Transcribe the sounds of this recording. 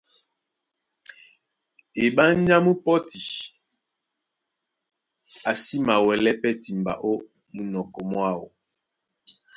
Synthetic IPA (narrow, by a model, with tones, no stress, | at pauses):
e˨ɓa˦ɲa˦mu˦pɔ˦ti˨ | a˨si˦ma˨wɛ˨lɛ˦pɛ˦ti˨mba̰˨ʔo˦ | mu˨nɔ˨kɔ˨mwa˦˨wo˨